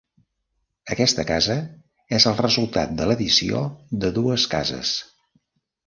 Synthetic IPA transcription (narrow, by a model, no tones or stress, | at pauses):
əkɛst̪əkazə | ɛzəlˠrəzulˠt̪a̰t̪̚d̪ələðisio̰ðəðuəskazə̰s